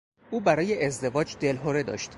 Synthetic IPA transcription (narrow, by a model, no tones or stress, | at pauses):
ʔuːbæɾɒːje̞ʔezd̪e̞vɒːd͡ʒd̪e̞lɦoɾe̞d̪ɒ̰ʃt̪